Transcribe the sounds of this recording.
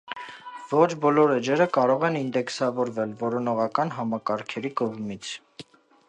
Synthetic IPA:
vɔt͡ʃʰbɔlɔɾɛd͡ʒɛɾəkɑɾɔʁɛnind̪ɛksɑvɔɾvɛlvɔɾɔnɔʁɑkɑnɦɑmɑkɑɾkʰɛɾikɔʁmit͡sʰ

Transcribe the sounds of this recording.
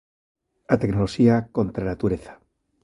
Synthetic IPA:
at̪eknoloxiako̞nt̪ɾanat̪uɾeθḁ

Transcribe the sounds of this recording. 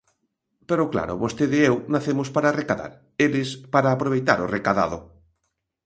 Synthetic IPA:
peɾʊkla̰ɾʊ̰βost̪eðɪewnaθemʊspaɾarekaða̰ɾ | elɪspaɾaːpɾoβ̞ejt̪a̰ɾorekaða̰ðo

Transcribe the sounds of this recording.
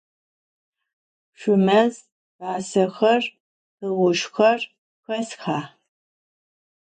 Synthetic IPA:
ʃʷʊmɐz | baːsɐxɐr | ɨʁʷʊʃxɐr | xɐsxaː

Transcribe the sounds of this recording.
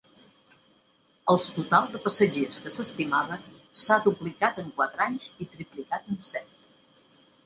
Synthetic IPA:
əlˠst̪ut̪alˠd̪əpəsəʒeskəsəst̪imaβənsad̪uplikat̪əŋkwat̪ɾaɲzit̪ɾiplikat̪ənsɛt̪

